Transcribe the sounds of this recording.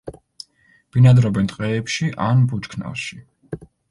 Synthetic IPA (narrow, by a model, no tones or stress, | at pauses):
b̥inad̪ɾɔbɛnt̪ʼqʼɛːpʃiʔanbut͡ʃkʰna̰lˠʃi